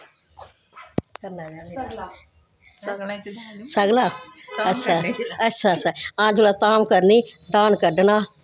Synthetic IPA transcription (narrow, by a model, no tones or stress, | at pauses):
kɐn | səɡlaːətːʃʰaːətːʃʰaːt͡ʃʰːaːãːd͡ʒulat̪aːmkəɾniːd̪aːnkəɖnaː